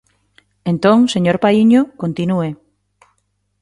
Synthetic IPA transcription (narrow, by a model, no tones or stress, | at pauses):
ent̪õŋseɲoɾpaiɲokont̪inue